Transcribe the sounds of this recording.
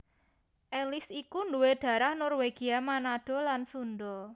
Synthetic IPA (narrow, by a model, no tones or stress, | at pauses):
ʔelɪsikunduwed̪̥ä̤ɾahnɔrweɡ̥i̤amanad̥ɔ̤lansund̪ɔ